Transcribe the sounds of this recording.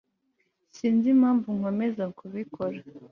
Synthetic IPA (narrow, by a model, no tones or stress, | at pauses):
siːnzim̥haːɱvuŋo̞me̞zakuβikʰo̞ɾa